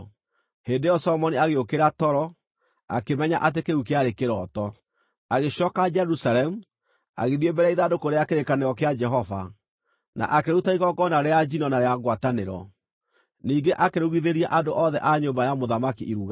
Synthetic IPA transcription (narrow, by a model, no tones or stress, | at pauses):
heːndejɔsɔmɔniaɣeokeɾatɔɾɔ | a̰kemɛɲaʔat̬ekeɾukeaɾekeɾɔtɔ | aɣeɕɔkad͡ʒɛɾusaɾɛmu | a̰ɣeðiembɛɾaiðadokoɾeakeɾekaneɔkead͡ʒɛɦɔva̰ | na̰ʔakeɾutaiɣɔɡɔnaɾead͡ʒinɔnaɾeaŋɡwataneɾɔ̰ | niːŋɡeʔakeɾuɣiðeɾiaʔandoʔɔðɛʔaɲombajamoðamakiʔiɾuɣa